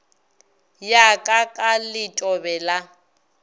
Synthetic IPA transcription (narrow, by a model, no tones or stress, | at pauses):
jakʼakʼalɪtʼɔbɛla